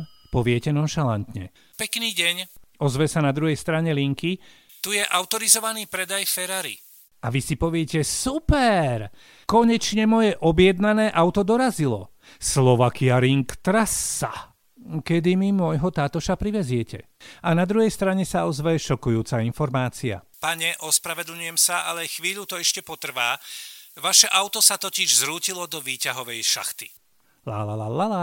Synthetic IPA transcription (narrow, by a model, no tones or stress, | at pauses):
pɔʋɪɛcɛnɔnʃalant̪ɲɛ̰ | pɛkniːɟɛɲɔzʋɛsanad̪ɾuɦɛjst̪ɾaɲɛliŋki | t̪ujɛʔaʊt̪ɔɾizɔʋaniːpɾɛd̪ajfɛɾaɾḭ | aʋisipɔʋɪɛcɛsupɛɾ | kɔɲɛt͡ʃɲɛmɔjɛʔɔbjɛd̪nanɛːʔaʊt̪ɔd̪ɔɾazilɔ̰ | slɔʋakiaɾiŋkt̪ɾasːa̰ | kɛd̪imimʊɔjɦɔt̪aːt̪ɔʃapɾiʋɛzɪɛcɛ̰ | anad̪ɾuɦɛjst̪ɾaɲɛsaɔzʋɛjɛʃɔkujuːt͡sainfɔɾmaːt͡sia̰paɲɛʔɔspɾaʋɛd̪l̩ɲujɛmsaʔalɛxʋiːʎut̪ɔɛʃcɛpɔt̪r̩ʋaːʋaʃɛʔaʊt̪ɔsat̪ɔciʒzɾuːcilɔd̪ɔʋiːcaɦɔʋɛjʃa̰xt̪i̥ | la̰lalaala